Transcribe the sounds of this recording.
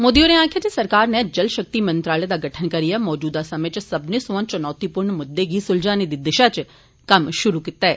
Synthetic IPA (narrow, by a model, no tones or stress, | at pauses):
moːd̪ijoneaːkʰjat̪esɐɾkaːɾned͡ʒəlʃɐk̚t̪imɐ̃nt̪ɾaːled̪aɡɐʈʰənkɐɾijamɔːd͡ʒuːd̪asɐmẽt͡ʃsɐbnesɔãnt͡ʃɐnɔːt̪ipʊɾɳmʊd̪ːeɡisʊld͡ʒaːned̪id̪ɪʃat͡ʃ | kɐmʃʊɾukɪt̪aɛː